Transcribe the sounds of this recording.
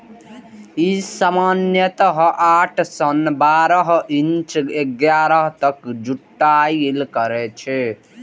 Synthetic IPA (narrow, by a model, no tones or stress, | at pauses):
isamanjət̪əɦʔaʈʰsənbaɾəɦint͡ʃeɡjaːɾʌɦt̪əkd͡ʒuʈːajilkəɾɛt͡ʃʰɛ